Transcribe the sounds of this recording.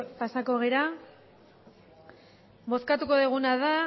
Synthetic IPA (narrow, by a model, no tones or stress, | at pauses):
pasako̞ɣ̞eɾa | bo̞skat̪uko̞ðeɣ̞unaða